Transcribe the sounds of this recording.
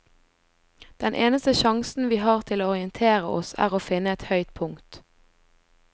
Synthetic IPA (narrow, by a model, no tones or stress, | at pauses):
d̪̥ɛnʔeːnəst̪əʃɑŋsn̩ʋiːɦɑːʁt̪ʰɪloːɔʁɪənt̪ʰeːʁəʔɔ̰sæ̰ːʁoːfɪnəɛt̪hœʏt̪̚pʰʊŋt̪